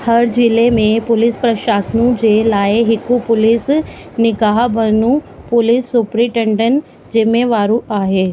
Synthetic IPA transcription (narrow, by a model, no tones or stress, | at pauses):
hɐɾd͡ʑɪlemẽpʊlɪspɾɐʃaːsnũd͡ʑelaːeɦɪkupʊlɪs | nɪɡaːɦbɐnũ | pʊlɪsːʊpɾĩʈẽɳɖən | d͡ʑɪmeʋaːɾũaːɦeː